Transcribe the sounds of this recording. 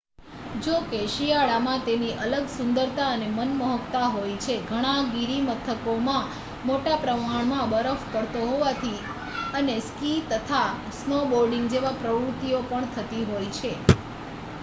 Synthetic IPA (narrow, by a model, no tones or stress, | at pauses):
d͡ʒokeʃijaɭamãt̪eniʔələɡsʊnd̪əɾt̪aənemənməɦəkt̪aɦojt͡ʃʰeɡʱəɽ̃aɡiɾimət̪ʰəkomã | moʈapɾəmaɳ̃mãbəɾəfkəɽt̪oɦoʋat̪ʰi | əneskit̪ət̪ʰa | snoboɾɖĩŋɡd͡ʒeʋãpɾəʋɾut̪ːiopəɳt̪ʰət̪iɦojt͡ʃʰe